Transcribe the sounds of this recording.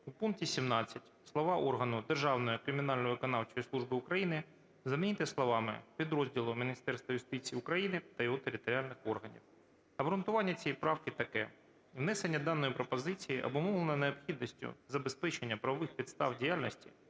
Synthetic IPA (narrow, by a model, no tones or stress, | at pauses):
upunk̚tʲisʲimnɑt͡sʲːɐtʲslˠɔʋɑʔɔrɦɐnʊd̪erʒɑwnɔjikɾɪmʲɪnɑlʲnɔʋɪkɔnɑwt͡ʃɔjislˠuʐbɪʊkɾɐjinɪ | zɐmʲinʲit̪ɪslˠɔʋɑmɪ̰pʲid̪ɾɔzʲdʲilˠʊmʲinʲist̪ɛrst̪ʋɐjʊst̪ɪt͡sʲijːʊkɾɐjinɪt̪ɐjɔɦɔt̪eɾʲɪt̪ɔɾʲɪalʲnɪxɔrɦɐnʲḭw | ɐbɾʊnt̪ʊʋɑnʲːɐt͡sʲɛjpɾɑwkɪt̪ɐkɛ̰ | wnɛsenʲːɐd̪ɑnːɔjipɾɔpɔzɪt͡sʲijiʔɐ̰bɔmɔʋlˠenɐneɔpxʲid̪nɔsʲtʲʊ̰zɐbespɛt͡ʃenʲːɐpɾɐʋɔʋɪxpʲid̪st̪ɑwdʲijalʲnɔsʲtʲḭ